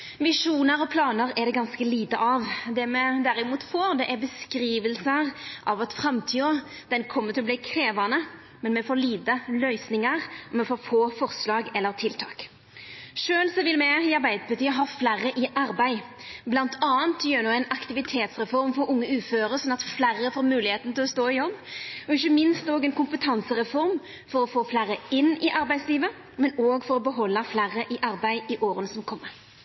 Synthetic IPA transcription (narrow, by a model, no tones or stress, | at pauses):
mɪʂuːnəɾɔpʰlɑːnəɾɛd̪ɛɡɑnskəliːt̪əʔɑʋd̪ɛmɛd̪æɾɪmuːt̪foːɾd̪ɛʔæɾbəskɾiːʋəlsəʁʔɑʋɑt̪fɾɑmt̪ʰiːɔ | d̪̥ɛnkʰɔmːəɾt̪ʰɪlɔb̪liːkʰɾeːʋɑnə | mɛnmɛfoːliːt̪əlœʏsnɪŋəɾɔmɛfoːɾfoːfɔɾslɑːɡɛlːəɾt̪ʰɪlt̪ʰɑ̰ːk | ʂøːlsɔʋɪlmɛɪɑɾbæɪd̪əpʰɑt̪yːəɦɑːflæɾːəʔɪʔɑɾbæɪ | blɑnt̪ʰɑːənt̪jøːnuːɛɪnɑkt̪ɪʋɪt̪ʰeːt̪sʁɛfɔɾmfɔɾʊŋːəʉːføːɾəʁsɔnɑt̪flæɾəfoːɾmʉːlɪheːt̪n̩t̪ɪlɔst̪oːɪjɔbːɔɪçːəmɪnst̪oːɡɛnkʊmpət̪ʰɑnsəʁɛfɔɾm | fɔɾɔfoːflæɾəɪnːɪʔɑɾbæɪsliːʋə | mɛnoːɡfɔɾɔbəɦɔlːəflæɾəʔɪʔɑɾbæɪɪʔoːɾənəsɔmkʰɔmːəɾ